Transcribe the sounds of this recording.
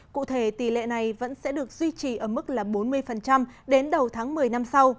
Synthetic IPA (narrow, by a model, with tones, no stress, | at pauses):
kṵ˧˨t̪ʰe˧˩t̪i˧˩lḛ˧˨na˨˩jvə̰˧˥nsɛ̰˧˥ɗɨ˨˩ək̚zwi˧t͡ɕi˨˩ʔəː˧˩mɨ˦˥k̚laː˨˩ɓo˨˦nmɨ˧əjfə˨˩nt͡ɕa˧mɗe˨˦nɗə˨˩wt̪ʰaː˨˦ŋmɨ˨˩əjna˧msa˧w